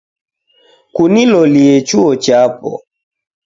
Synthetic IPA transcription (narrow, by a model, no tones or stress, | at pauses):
kunilɔliet͡ʃuɔt͡ʃapɔ̰